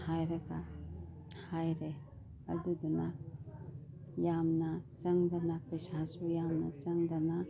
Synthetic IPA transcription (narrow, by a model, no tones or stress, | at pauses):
hajɾɐɡa | hajɾe | ɐ̰duduna | jamnɐsɐŋd̪ɐnapisasujamnɐ̰sɐŋd̪ana